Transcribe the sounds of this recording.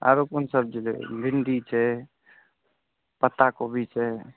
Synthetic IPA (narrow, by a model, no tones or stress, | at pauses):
a̰ɾokunsəb̚d͡ʒilḛbʱiɳɖit͡ʃʰɛ | pət̪akobʱit͡ʃʰɛ